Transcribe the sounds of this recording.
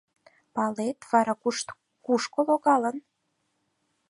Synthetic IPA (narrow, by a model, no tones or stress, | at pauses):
pɑlet̪βɑɾɑkuʃt̪ | kuʃkoloɣɑlən